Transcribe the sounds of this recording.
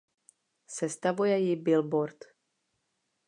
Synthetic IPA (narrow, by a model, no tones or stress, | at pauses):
sɛst̪avujɛjɪbɪlboɾt̪